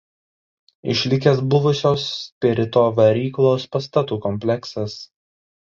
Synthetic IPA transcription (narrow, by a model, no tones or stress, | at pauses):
ɪ̰ʃʲlʲɪk̬ʲesbʊʋʊsʲoːspʲɛɾʲɪt̪oːʋɐɾʲiːklˠoːspɐst̪ɐt̪uːkɔmʲpʲlʲɛksɐs